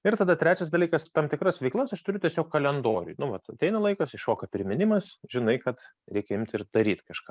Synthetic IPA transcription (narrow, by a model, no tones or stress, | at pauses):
ɪrt̪ɐd̪ɐt̪ʲɾʲæːt͡ʃʲɛs̬d̪ɐlʲiːkɐst̪ɑmt̪ʲɪkɾɐsʋʲɛɪlˠɐsɐʃt̪ʊɾʲʊtʲɛsʲoːkkɐlʲɛnd̪oːɾʲʊ̰jnʊʋɐt̪ɐt̪ʲɛɪnɐlˠɐɪkɐsɪʃoːkɐpʲɾʲɪmʲɪnʲɪmɐsʒʲɪnɐɪkɐt̪ | ɾʲɛɪkʲɛɪmʲt̪ʲɪrd̪ɐɾʲiːt̪kɐʃkɑ̰ː